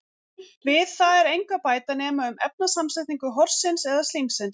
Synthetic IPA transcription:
vɪðθaðɛɾejŋkvapaːjt̪anɛːmaʏmɛp̚nasamsɪt̪niŋkʏɦɔɾ̥sɪnsɛðast̪limsɪn

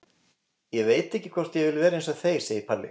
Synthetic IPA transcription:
jɛveːjt̪ɛhcːɪkʰvɔr̥t̪jɛvɪlvɛːɾaejns̬aθeːjsejipʰaɾlɪ̰

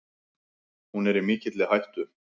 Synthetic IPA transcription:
hunɛɾimɪːcɪt̪lɪɦajht̪ʏ

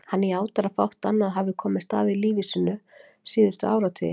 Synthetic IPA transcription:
hanːiaːwt̪aɾafa̰wht̪anːaðɦavɪkʰɔːmɪst̪a̰ːðɪliːvɪsʏnʏ | siːðʏst̪ʏaːwɾat̪ʰɪ̰

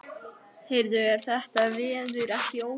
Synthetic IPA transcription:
hejɾðʏɛɾ̥θɛht̪avɪːðʏɾɛhcɪoːw

